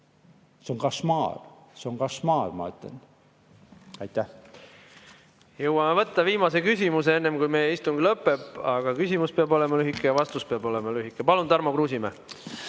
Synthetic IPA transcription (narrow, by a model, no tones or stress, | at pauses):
seoŋkɑsmɑ̰ːl | seoŋkɑsmɑ̰ːlmɑ̰yt̪ˑlḛn | ɑjt̪ːæh | jɤwːɑmevɤt̪ˑːɑviːmɑsekysʲimuseenːemkujmeːist̪umŋɡilɤpːe̞pːˑɑɡ̥ɑkysʲimuspeɑbo̞lemɑlyɦikːˑejɑvɑst̪uspeɑbo̞lemɑlyɦikːˑepɑlunt̪ɑrmokruːsʲime